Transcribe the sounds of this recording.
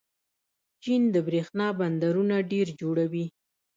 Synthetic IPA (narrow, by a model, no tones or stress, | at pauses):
t͡ʃind̪əbɾexnɑband̪aɾunaɖeɾd͡ʒoɽawi